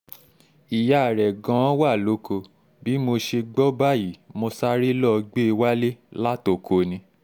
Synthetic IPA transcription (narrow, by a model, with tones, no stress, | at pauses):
i˨ja˨ɾɛ˨ɡã˨˦wa˦˨lo˨˦kʰo˧ | bi˨˦mo˧ʃe˧ɡ͡bɔ˦ba˦˨ji˨mo˧sa˦ɾi˦lɔ˦˧ɡ͡be˦i˧wa˦le˦la˦to˨kʰo˧nĩ˧